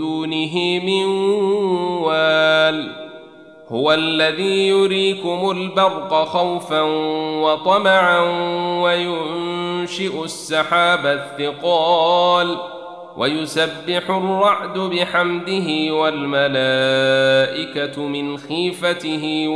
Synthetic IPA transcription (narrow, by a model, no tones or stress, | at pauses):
uːnɪɦɪmɪn | waːl | hʊwalːaðiːjʊɾiːkʊmʊlbɑɾˤqɑxawfanwɑt̪ˤɑmaʕanwajʊnnʃɪʔʊsːɑħaːbaθːɪqɑːl | wʔa̰jʊsabːɪħʊrːɑʕd̪ʊbɪħamd̪ɪɦɪwalmalaːʔɪkamɪnxiːfat̪ɪɦɪ